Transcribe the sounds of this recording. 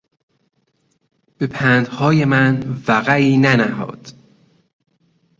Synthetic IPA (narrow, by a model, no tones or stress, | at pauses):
b̥epʰænd̪̥hɒːjemænvæɣæiːnænæɦɒ̰ːd̪̥